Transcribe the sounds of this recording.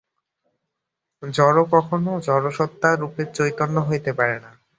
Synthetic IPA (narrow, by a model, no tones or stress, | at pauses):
d͡ʑɔɾokɔkʰonod͡ʑɔɾoʃɔt̪ːaɾupeɾt͡ɕojt̪onːoɦojt̪epaɾena